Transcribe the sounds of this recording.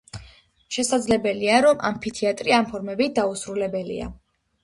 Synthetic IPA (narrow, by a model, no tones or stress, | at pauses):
ʃɛsad̪zlɛbɛliaɾɔma̰mpʰit̪ʰiat̪ʼɾiampʰɔɾmɛbid̪ausɾulɛbɛlḭa̰